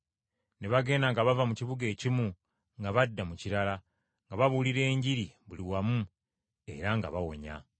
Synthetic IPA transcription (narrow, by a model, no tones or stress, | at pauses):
neβaɡe̞ːnaŋɡaβavamuciβuɡe̞ːcimu | ŋɡaβadːamuciɾala | ŋɡaβaβuliɾe̞ːɲɟiɾiβuliwamu | e̞̰ɾaŋɡa̰βawo̞̰ɲa̰